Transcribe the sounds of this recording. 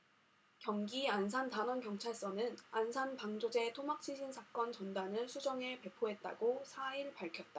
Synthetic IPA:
kjʌŋɡiansʰantanʌnkjʌŋt͡ɕʰaɭs͈ʌnɯnansʰanpaŋd͡ʑod͡ʑe̞tʰomak̚t͡ɕʰiɕʰinsʰak͈ʌnt͡ɕʌndanɯɭsʰud͡ʑʌŋɦe̞pe̞pʰoɦe̞t̚t͈a̰ɡosʰaiɭpaɭkʰjʌt̚t͈a

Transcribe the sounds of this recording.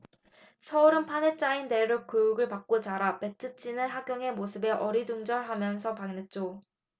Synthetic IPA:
sʰʌuɾɯnpʰanet͡ɕ͈ainde̞ɾok͈ɯjuɡɯɭpak͈̚ot͡ɕaɾape̞tʰɯt͡ɕʰinɯnɦaɡ͈joŋe̞mosʰɯbe̞ʔʌɾiduŋd͡ʑʌɭɦamjʌnsʰʌpaŋnet̚t͡ɕ͈o

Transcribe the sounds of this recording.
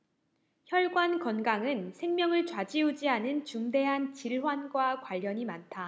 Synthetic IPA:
çjʌɭɡwankʌnɡaŋɯnsʰe̞ŋmjʌŋɯɭt͡ɕwad͡ʑiud͡ʑiɦanɯnt͡ɕuŋde̞ɦant͡ɕiɭɦwanɡwakwaʎːʌɲimantʰa

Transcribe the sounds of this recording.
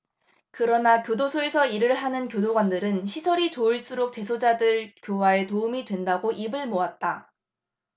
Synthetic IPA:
kɯɾʌnakjodosʰoe̞sʰʌiɾɯɭɦanɯnkjodoɡwandɯɾɯnɕʰisʰʌɾit͡ɕoːɭs͈uɾok̚t͡ɕ͈e̞sʰod͡ʑadɯɭkjowae̞toumidwe̞ndaɡoʔibɯɭmoat̚t͈a

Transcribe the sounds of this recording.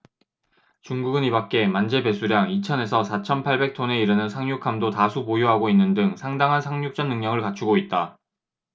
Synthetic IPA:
t͡ɕuŋɡuɡɯnibak̚k͈e̞mand͡ʑe̞be̞sʰuɾjaŋit͡ɕʰʌne̞sʰʌsʰat͡ɕʰʌnpʰaɭbe̞k̚tʰone̞iɾɯnɯnsʰaŋɲukʰamdotasʰupojoɦaɡoinːɯndɯŋsʰaŋdaŋɦansʰaŋɲuk̚t͡ɕ͈ʌnːɯŋɲʌŋɯɭkat͡ɕʰuɡoit̚t͈a

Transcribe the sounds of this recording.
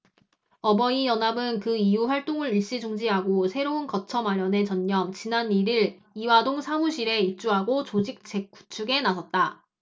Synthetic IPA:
ʌbʌijʌnɦabɯnkɯijuɸwaɭt͈oŋɯɾiɭɕ͈id͡ʑoŋd͡ʑiɦaɡosʰe̞ɾounkʌt͡ɕʰʌmaɾjʌne̞t͡ɕʌɲːʌmt͡ɕinaniɾiɾ | iwadoŋsʰamuɕʰiɾe̞it͡ɕ͈uɦaɡot͡ɕod͡ʑik̚t͡ɕ͈e̞k͈̚ːu̥t͡ɕʰuɡe̞nasʰʌt̚t͈a

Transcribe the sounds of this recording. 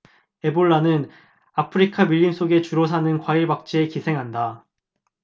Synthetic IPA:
e̞boɭːanɯn | apʰɯɾikʰamiʎːims͈oɡe̞t͡ɕuɾosʰanɯnkwaiɭbak̚t͡ɕ͈iekisʰe̞ŋɦanda

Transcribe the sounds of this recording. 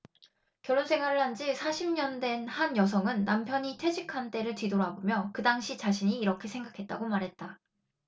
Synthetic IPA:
kjʌɭːonsʰe̞ŋɦwaɾɯɭhand͡ʑisʰaɕʰimɲʌndwe̞nhanjʌs̬ʰʌŋɯnːampʰjʌɲitʰwe̞d͡ʑikʰant͈e̞ɾɯɭtɥidoɾabomjʌkɯdaŋɕʰit͡ɕaɕʰiɲiːɾʌkʰe̞sʰe̞ŋɡakʰe̞t̚t͈a̰ɡomaɾɦe̞t̚t͈a

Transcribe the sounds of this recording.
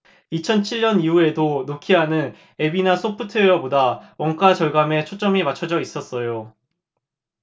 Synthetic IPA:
it͡ɕʰʌnt͡ɕʰiɭːʌniue̞donokʰiɦanɯn | e̞binasʰopʰɯtʰeʌbodawʌŋk͈at͡ɕʌɭɡame̞t͡ɕʰot͡ɕ͈ʌmimat͡ɕʰʌd͡ʑʌis͈ʌs͈ʌjo

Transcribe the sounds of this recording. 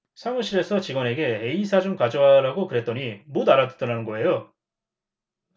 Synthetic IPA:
sʰamɯɕʰiɾe̞sʰʌt͡ɕiɡwʌne̞ɡe̞ɦe̞isʰad͡ʑomkad͡ʑoɦaɾaɡokɯɾe̞t͈̚ʌɲimodaɾadɯ̥t͈ʌnanɯnɡʌe̞jo

